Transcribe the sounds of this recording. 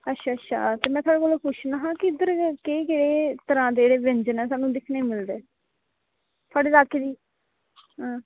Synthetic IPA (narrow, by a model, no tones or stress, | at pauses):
ətːʃʰaːətːʃʰa̰ːt̪eːmɛ̃ːt̪ʰowaːɽeːkoːloːkʰʊʃnaːɦãːkɪɪd̪əɾkekeːɽeːt̪əɾãːd̪eeːɽeːʋɪ̃ɲd͡ʒnɛːsaːnũːd̪ɪkʰneːmɪld̪eː | t̪ʰaːɽeːd̪aːkeːd̪iː | ɦãː